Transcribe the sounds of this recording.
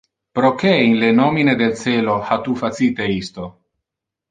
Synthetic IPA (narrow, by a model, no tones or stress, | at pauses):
pɾokeinlenɔmined̪elseːlohat̪ufat̪siːt̪eist̪o